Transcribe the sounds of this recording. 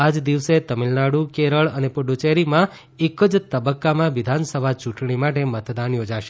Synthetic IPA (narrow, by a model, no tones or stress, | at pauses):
ad͡ʒd̪iʋset̪əmilnaɽukeɾəɭənepəɖut͡ʃeɾimã | ekːəd͡ʒt̪əbəkːamãʋid̪ʱansəbʱat͡ʃũʈɳimaʈemət̪ʰd̪anjod͡ʒaʃe̥